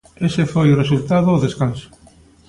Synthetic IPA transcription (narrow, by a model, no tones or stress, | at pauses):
esefojʊresult̪aðʊːðeskansʊ̥